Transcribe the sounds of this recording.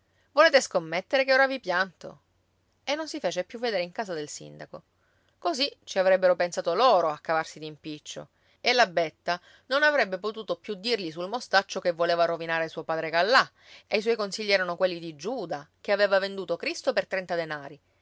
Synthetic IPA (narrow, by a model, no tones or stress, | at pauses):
voleːt̪eskomːet̪ːeɾekeoːɾavipjant̪o̰ | enːonsifeːt͡ʃepːjuvːed̪eːɾeiŋkaːzad̪elsḭnd̪ako | kozit͡ʃiavɾɛbːeɾopensaːt̪oloːɾoakːavarsid̪impit͡ʃːo̰ | elabet̪ːa | nonavɾɛbːepot̪uːt̪opjud̪ːirʎisulmost̪at͡ʃːokevːoleːvaɾovinaːɾesuopaːd̪ɾeɡalːa | eis̬wɔjkonsiʎːiɛːɾanokwelːid̪id͡ʒuːd̪akeaveːvavend̪uːt̪okɾist̪opert̪ɾɛnt̪ad̪enaːɾi